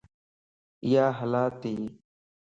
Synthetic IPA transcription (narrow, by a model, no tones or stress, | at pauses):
ɪjaːɦəlaːt̪iː